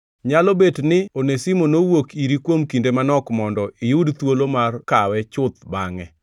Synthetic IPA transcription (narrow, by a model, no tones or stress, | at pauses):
ɲalɔbetnɪonesimonowokiɾikwomkindemanɔkmɔndɔɪjudt̪wolomarkawɛt͡ʃʊt̪̚baŋɛ